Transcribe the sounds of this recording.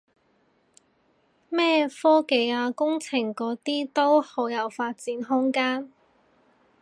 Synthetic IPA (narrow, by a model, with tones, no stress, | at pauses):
mɛː˥fɔː˥ke˨˧jaː˧kʊ˥ŋt͡sʰɪ˨˩ŋkɔː˨˧˥t̪iː˥t̪o˥whoː˨˧˥wjɐ˨˧wfaː˧t̚t͡siː˨˥nɦʊ˥ŋkaː˥n